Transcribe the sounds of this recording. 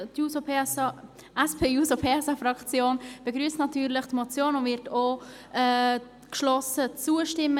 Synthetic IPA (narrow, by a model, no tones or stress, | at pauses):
tjusope | ɛspʰeːjuːsopʰeːɛsɑfrɑkt͡sjoːnb̥əɡɾyːstnɑtyːɾlɪχtmɔt͡sjoːnʊnvɪɾtoː | ʔɛː | kʃlɔsət͡suːəʃtɪmːə